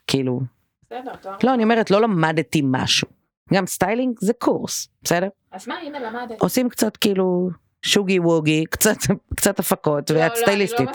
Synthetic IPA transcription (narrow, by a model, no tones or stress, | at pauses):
kʰilṵ | lo̞anio̞meetlo̞lamadtima̰ʃu | ɡamstajliŋɡzekʰuʁsb̥esedeʁ | ʔosimkt͡satkiːlu | ʃuɡiwuɡikt͡satkt͡satafako̞tveast̪ajlistit